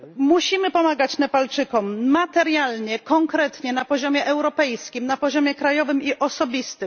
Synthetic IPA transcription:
muɕimɘpɔmaɡat͡ɕnɛpalt͡ʂɘkɔmːat̪ɛɾʲjalɲɛkɔŋkɾɛt̪ɲɛnapɔʑɔmʲjɛʔɛwɾɔpɛjskʲimnapɔʑɔmʲjɛkɾajɔvɘmiʔɔsɔbʲist̪ɘm

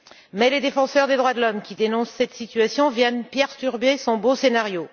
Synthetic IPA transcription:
mɛled̪efɑ̃sœʁd̪ed̪ʁwad̪əlɔmkʲid̪enɔ̃sːɛt̪sit̪yasjɔ̃vjɛnpɛʁt̪yʁbesɔ̃bosenaʁjo

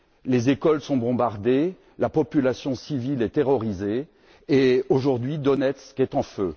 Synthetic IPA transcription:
lezekɔlsɔ̃bɔ̃baʁd̪e | lapɔpylasjɔ̃sivilɛt̪eʁɔʁizeː | oʒuʁd̪ɥid̪ɔnɛt̪skʲɛt̪ɑ̃fø

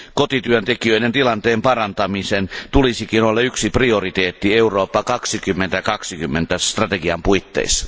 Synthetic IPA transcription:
kot̪it̪yønt̪ekiøident̪ilɑnt̪eːmpɑrɑnt̪ɑmisent̪ulisikinolːɑyksipriorit̪eːt̪ːieuroːpːɑkɑksikymːent̪ækɑksikymːent̪æst̪rɑt̪eɡiɑmpuit̪ːḛisɑ̥

